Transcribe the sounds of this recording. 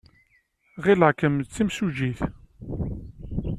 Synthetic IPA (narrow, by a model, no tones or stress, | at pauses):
ʁilʕkəmt͡sːimsuʒiθ